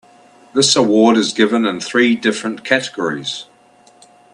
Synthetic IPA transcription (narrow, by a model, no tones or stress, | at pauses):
ðɪsəwɔːdɪzɡɪvə̃nɪ̃nθɹiːdɪfɹə̃nkʰatɪɡ̥əɹɪ̰z̥